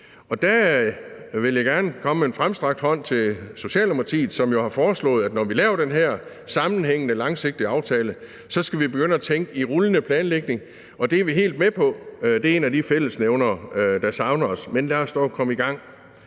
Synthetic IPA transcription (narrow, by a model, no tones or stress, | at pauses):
ɒ̽d̥æ | ʋe̝ljɑ̈ɪɡ̥æɐnəkʰɒ̽mmenfʁamsd̥ʁɑ̈ɡ̥d̥hɒ̽n̰t͡sʰe̝so̝ɕɛ̰ːlomɐt͡sʰḭːð̩ˠsɒ̽mjo̝hɑ̈fɒːslɔ̰̽ːðˠæd̥nɒʋilɛːʊɐɾ̥enɦæɐ̰ | sɑ̈mn̩ɦeŋ̰ənəlɑ̈ŋse̝ɡ̥̚d̥iɑ̈ʊt͡sʰɛːlə | sɒ̽sɡ̥æʋib̥e̝ɡ̥øn̰əæt͡sʰeŋɡ̥əiʁulənəpʰlɛːnleɡ̥ne̝ŋ | ʔɒ̽d̥e̝ɐʋiɦe̝̰ːld̥̚mepʰɒ̽d̥e̝æɐe̝ːnæd̥ifel̰əsneʊnɐːd̥ɑ̈sɑ̈ʊnɐɒsmenlæsd̥ɒ̰ːkʰɒ̽məiɡ̥ɑ̈ŋ̰